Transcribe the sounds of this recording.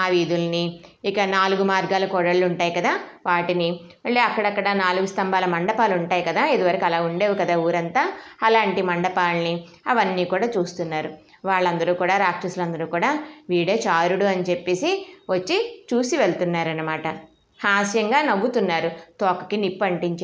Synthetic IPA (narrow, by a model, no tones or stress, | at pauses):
aːʋiːd̪ulɐniikɐnaːluɡumaːɾɡaːlɐkɔɽɐɭːuɳʈaːjikɐd̪aːʋaːʈini | mɐɭːiɐkːɐɽɐkːɐɽɐnaːluɡust̪ɐmbaːlɐmɐɳɖɐpaːluɳʈaːjikɐd̪aːed̪uʋɐɾɐkɐlaːuɳɖeːʋukɐd̪aːuːɾɐnt̪aːɐlaːɳʈimɐɳɖɐpaːlni | ɐʋɐnːiːkuːɽaːt͡ʃuːst̪unːaːɾu | ʋaːɭːɐnd̪ɐɾuːkuːɽaːɾaːk̚ʈɐslɐnd̪ɐɾuːkuːɽaːʋiːɽeːt͡ʃaːɾuɽuɐnit͡ʃepːe̞ːsiʋɐt͡ʃːit͡ʃuːsiʋeɭt̪unːaːɾɐnːɐmaːʈɐ | haːʃjɐŋɡaːnɐbːut̪unːaːɾut̪oːkɐ̥kinipːɐɳʈiɲt͡ʃ